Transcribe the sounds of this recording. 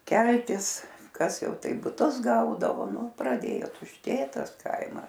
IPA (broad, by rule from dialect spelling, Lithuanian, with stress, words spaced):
ˈkʲɛlʲtʲɪs ˈkɐs ˈjɛʊ ˈtɐɪp bʊˈtʊs ˈɡɐʊdɐʋoː ˈnʊ prɐˈdʲeːjoː tʊʃʲˈtʲeːt ˈtɐs ˈkɐɪmɐs